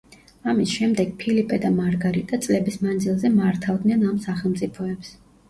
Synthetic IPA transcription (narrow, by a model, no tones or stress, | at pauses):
amisʃɛmd̪ɛɡ̥pʰilipʼɛd̪amaɾɡaɾit̪ʼat̪sʼlɛbismand̪zilˠzɛmaɾt̪ʰavd̪nɛnamsaχɛlˠmt̪sʼipʰɔɛps